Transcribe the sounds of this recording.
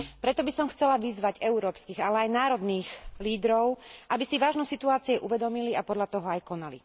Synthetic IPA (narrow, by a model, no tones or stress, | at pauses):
pɾɛt̪ɔbisɔmxt͡sɛlaʋizʋaɟɛuɾɔːpskiːɣalɛajnaːɾɔd̪niːɣliːd̪ɾɔʊʔabisiʋaːʒnɔsit̪uaːt͡siɛʔuʋɛd̪ɔmiliapɔd̪ʎat̪ɔɦɔajkɔnalḭ